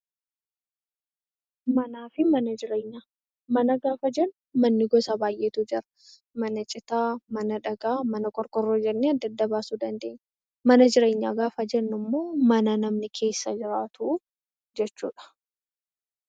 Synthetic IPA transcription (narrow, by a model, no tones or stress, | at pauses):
mɐnaːfɪmɐnɐd͡ʒɪɾeːɲːaː | mɐnɐɡaːfɐd͡ʒɛnʊmɐnːɪɡɔsɐbaːjʔeːt̪uːd͡ʒɪɾɐ̥ | mɐnɐt͡ʃʼɪt̪aːmɐnɐᶑɐɡaːmɐnɐkʼɔɾkʼɔrːoːd͡ʒɛnːeɐd̪ːɐd̪ːɐbaːsuːd̪ɐnd̪ḛːɲː | mɐnɐd͡ʒɪɾe̞ːɲːa̰ːɡaːfɐd͡ʒɛnːʊmːo̞ːmɐnɐnɐmnɪkʰe̞ːsːɐd͡ʒɪɾaːt̪ʰuː | d͡ʒɛt͡ʃːuːᶑɐ̥